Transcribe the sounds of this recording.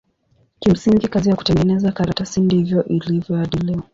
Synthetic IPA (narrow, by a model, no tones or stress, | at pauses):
kim̩siŋɡikazijaku̥tɛŋɡɛnɛzakaɾatasindihivjɔʔilivjɔaɗilia